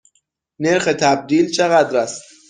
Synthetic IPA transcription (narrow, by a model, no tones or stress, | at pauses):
ne̞ɾxe̞t̪ʰæb̚d̪iːlt͡ʃʰe̞ɣæd̪ɾæst̪